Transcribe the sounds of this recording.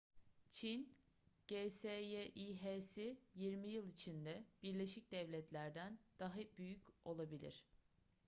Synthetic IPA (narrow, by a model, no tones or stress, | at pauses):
t͡ʃʰin | ɟ̥esejeʔiɦesijiɾmijɯlˠit͡ʃʰind̪ɛb̥iɾlʲeʃic̚d̪ɛvlʲɛt̪lʲæɾd̪ænd̪̥aɦabyjyco̞lˠabilʲḭɾ̝̥